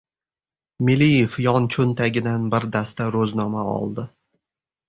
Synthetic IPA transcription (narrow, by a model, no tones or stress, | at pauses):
mɪlijefjɒnt͡ʃʰʊnt̪ʰaɡʲɪd̪anbɪɾd̪ast̪aɾɵznɒmaɒ̰lˠd̪ɪ